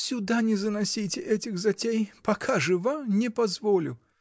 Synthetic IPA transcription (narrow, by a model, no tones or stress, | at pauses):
sʲʊd̪anʲɪzənɐsʲitʲɪʔɛtʲɪxzɐtʲejpɐkʰaʐɨvamnʲɪpɐzvolʲʊ̰